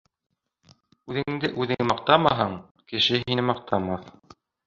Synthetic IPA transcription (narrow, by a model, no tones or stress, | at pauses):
ʉðɘ̆ŋɘ̆ŋd̪ɘʔʉðɘ̆ŋɘmɑq̚t̪ɑmɑɦɤɴ | kɘ̆ʃɘɦinɘmɑq̚t̪ʰɑmɑθ